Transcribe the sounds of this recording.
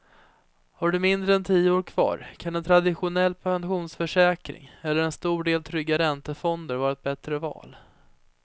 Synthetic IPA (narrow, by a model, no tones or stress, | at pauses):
haɖɵmɪnd̪ɾəɛnt̪ʰiːəoːɾkʰv̥ɑ̰ːɾkʰanɛnt̪ʰɾad̪ɪɧʊnɛlːpʰɛnɧuːnsfœʂɛːkɾɪ̰ŋɛlːəɾɛnst̪uːɖeːlt̪ʰɾʏɡːaɾɛnt̪əfɔnd̪əɾvɑːɾaɛt̪̚bɛt̪ɾəvɑ̰ːl